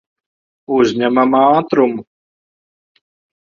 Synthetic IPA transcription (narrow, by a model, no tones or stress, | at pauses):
uzʲɲæmamɑːt̪ɾumu